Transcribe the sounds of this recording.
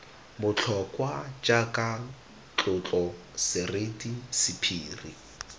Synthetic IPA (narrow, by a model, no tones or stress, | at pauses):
bʊt͡ɬʰɔkʼwad͡ʒakʼa | t͡ɬʼʊt͡ɬʼɔ | sɪretʼisɪpʰiːri